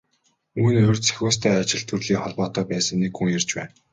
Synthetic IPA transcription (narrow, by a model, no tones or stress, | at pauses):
uːnɵrʲt͡sʰæ̥xʲʊːst̪ʰæːat͡ɕɪ̆ɮt̪urɮiːŋχɔɮpɔːt̪œːpæːsə̆ŋnekxuŋjer̥t͡ɕpæ̰ːn